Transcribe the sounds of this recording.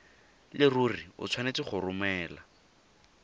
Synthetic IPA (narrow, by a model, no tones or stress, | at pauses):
lɪruriʊ̰t͡sʰwanet͡sɪχʊrʊmɛːla